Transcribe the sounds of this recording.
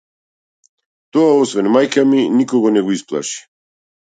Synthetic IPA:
t̪ɔaɔsvɛnmajkaminikɔɡɔnɛɡɔisplˠa̰ʃi̥

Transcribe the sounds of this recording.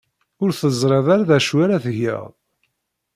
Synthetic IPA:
ʊɾθəzˤɾˤɑðˤaɾaðæʃwaɾaθəʝə̰ʁˤ

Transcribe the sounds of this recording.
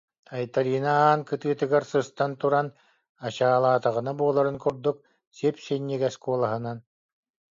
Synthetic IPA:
ajt̪aɾiːnaaːnkɯt̪ɯːt̪ɯɡaɾsɯst̪ant̪uɾan | at͡ɕaːlˠaːt̪aʁɯnabuɔlˠaɾɯnkuɾd̪uk̚ | siɛpsɛnːiɡɛskuɔlˠaɦɯnan

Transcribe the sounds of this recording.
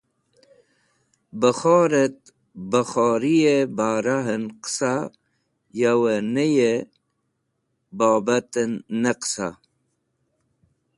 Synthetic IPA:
bəχoːɾət̪̚ | bəxoːɾijebaːɾaɦənqə̥sa | jawənəje | babat̪ənːəqsa

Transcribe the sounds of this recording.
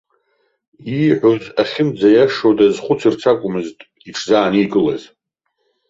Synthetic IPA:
iʕʷozaχʲɪmd͡zajaʂodazχʷʊt͡sʰirt͡sʰakʷʼʊmɨztʼ | iʈ͡ʂʰzaːniɡʼɨla̰z

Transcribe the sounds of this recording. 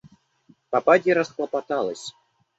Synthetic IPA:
papadʲiɾɐsxlˠɐpat̪alˠɐsʲ

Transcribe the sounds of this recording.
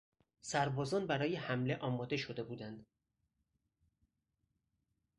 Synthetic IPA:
sæɾbɒːzɒːnbæɾɒːjehæmle̞ʔɒːmɒːd̪e̞ʃo̞d̪e̞buːd̪ænd̪̥

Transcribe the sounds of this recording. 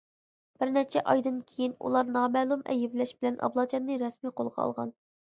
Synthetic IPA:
b̥ɪɾnɛt͡ʃʰɛʔɑjd̪ɨnkʲʰejinṵlˠɑɾnɑːmɛlˠumɛ̰jɪblɛʃbɪlɛnʔɑ̰blˠɑd͡ʒʰɑnːɨɾɛsmijqʰolˠʁɑ̰ɑ̰lˠʁɑ̰n

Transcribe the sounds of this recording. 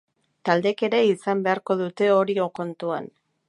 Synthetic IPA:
t̪ald̪e̞ke̞ɾe̞isambe̞aɾko̞ðut̪e̞o̞ɾioko̞nt̪ua̰n

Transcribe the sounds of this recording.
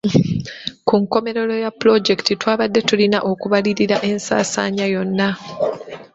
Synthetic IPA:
kuŋko̞me̞ɾe̞lo̞japlo̞ɟe̞ktitwaːβadːe̞tulinaʔo̞kuβaliɾiɾaʔe̞nsa̰ːsa̰ːɲajo̞nːa

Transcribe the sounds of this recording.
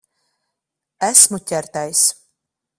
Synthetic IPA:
æsmucʲɛɾt̪æjs

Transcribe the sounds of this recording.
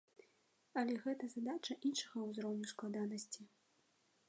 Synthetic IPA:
ɐlʲɛɣɛt̪ɐzad̪at͡ʂɐʔinʂɐɣɐwzɾɔwnʲusklˠad̪anɐsʲt͡sʲi

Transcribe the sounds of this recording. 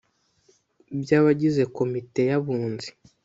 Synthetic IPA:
bjaːβaɟize̞ko̞mite̞jaβuːnzi̥

